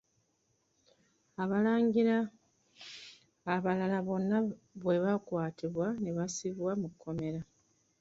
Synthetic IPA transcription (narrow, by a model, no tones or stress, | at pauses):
aβalaːɲɡiɾa | βalalaβo̞nːaβwe̞βakwaːtʰiβwaneβasiβwamukʰːo̞me̞ɾa